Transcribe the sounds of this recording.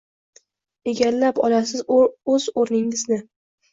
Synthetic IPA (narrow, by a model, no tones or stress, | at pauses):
e̞ɡʲallapɒ̰lasɪzʊɵz̥oɾnɪŋɪznɪ